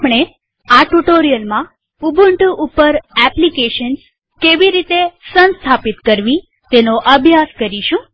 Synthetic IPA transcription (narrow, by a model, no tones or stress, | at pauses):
pɳ̃e | aʈuʈoɾijəlmã | ubʱuɳʈuʔupːəɾɛplikeʃəns | keʋiɾit̪esənst̪ʰapit̪kəɾʋi | t̪enoʔəbʱjaskəɾiʃũ